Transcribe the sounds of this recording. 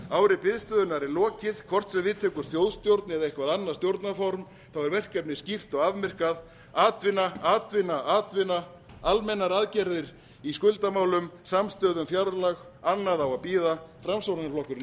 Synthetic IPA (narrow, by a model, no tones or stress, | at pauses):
aːwɾɪpɪðst̪œðʏnaɾɪlɔːcɪð̥kʰvɔr̥t̪sɛvɪːt̪ʰɛkʏɾ̥θjowðst̪jowɾt̪nɪɾejhkvaðanːaɾ̥st̪jowɾt̪nafɔɾm | θawɛɾvɛr̥kɛpnɪscir̥t̪ɔɣavmɛr̥kað | aːt̪vɪnaaːt̪vɪnaʔaːt̪vɪna | almɛnːaɾaːðcɛɾðɪɾ | iskʏlt̪amaːwlʏmsamst̪œːðʏmfjawɾlaɣ | anːaðawapiːðafɾamsowɾnaflɔhkʏɾ